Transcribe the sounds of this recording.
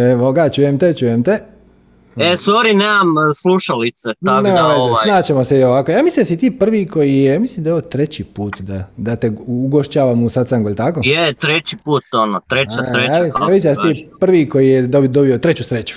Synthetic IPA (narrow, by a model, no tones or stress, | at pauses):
eʋoɡat͡ʃujemt̪et͡ɕujemt̪e | esoɾineːmamsluʃalit̪set̪aneːmaʋezesnaːt͡ɕemoseioʋakojaːmislimd̪asit̪iːpr̩ʋiko̞jijejaːmislimd̪ajoʋot̪ɾet͡ɕipuːt̪d̪ad̪at̪euɡoʃt͡ɕaːʋamusat̪saŋɡoʎʲt̪akojet̪ɾet͡ɕipuːt̪onot̪ɾet͡ʃaɾejaiaːmislind̪asit̪iːpr̩ʋiko̞jijed̪od̪obiot̪ɾet͡ɕusɾet͡ɕu̥